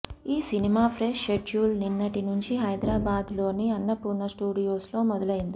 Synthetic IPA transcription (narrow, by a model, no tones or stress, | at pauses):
iːsinimaːpʰɾeʂeʈuːlninːɐʈinuɲt͡ʃiɦɐjd̪ɾaːbaːd̪lo̞ːniɐnːɐpːunːɐsʈuːɖijo̞ːslo̞ːmɔd̪ɐlɐjind̪i